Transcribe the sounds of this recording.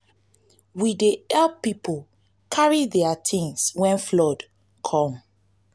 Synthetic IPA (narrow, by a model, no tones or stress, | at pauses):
wideɛlipʰol | kʰaɹidɛatʰĩnswɛ̃nflɔd | kʰɔ̃m